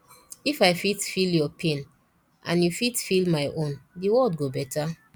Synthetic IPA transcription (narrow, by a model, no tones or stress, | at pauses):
ifaɪfitfiljɔpʰẽn | ʔã̰njufitfilmaɪʔõndiwɔdɡobɛtʰa